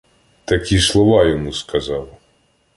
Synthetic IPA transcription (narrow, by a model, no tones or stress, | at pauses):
t̪ɐkʲislˠɔʋɑjɔmuskɐzɑw